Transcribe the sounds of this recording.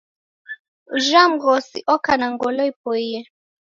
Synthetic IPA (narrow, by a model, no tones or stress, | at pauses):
uʒam̩ɣɔsḭʔɔkanaŋɡɔlɔipɔiɛ